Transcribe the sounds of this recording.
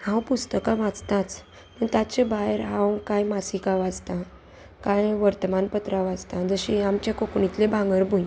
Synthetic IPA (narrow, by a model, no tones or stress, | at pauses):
hãwpust̪əkãʋãd͡zt̪ãt͡s | məɳt̪at͡ɕebaɦeɾɦãwkãjmasikaʋad͡zt̪ã | kãjʋəɾt̪əmanpət̪ɾaʋad͡zt̪ãd͡zəɕĩamt͡ɕjakokɳit̪lebʱãŋɡəɾbʱuj̃